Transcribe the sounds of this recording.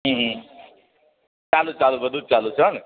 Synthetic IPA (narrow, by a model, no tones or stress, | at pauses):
ɦũɦ | t͡ʃalut͡ʃalubʌd̪ʱut̪̚t͡ʃalut͡ʃʰʌn